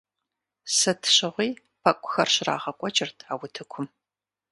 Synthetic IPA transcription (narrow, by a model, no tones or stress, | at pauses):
sɐtʰɕɪʁʷiː | pʰɐkʷʼʊ̥xɐrɕra̰ːʁɐkʷʼɔt͡ʃʼɪrtʰaːwʊtʰɨkʷʰʊm